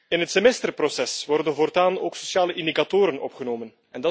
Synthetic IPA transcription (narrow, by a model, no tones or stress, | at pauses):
ɪnɦətsemɛstərprosɛsʋɔrdənvoːrtaːno̰ːkso̥sjaːləʔɪnd̪ikatoːɾənɔ̰pχənoːmən | ɛndɑ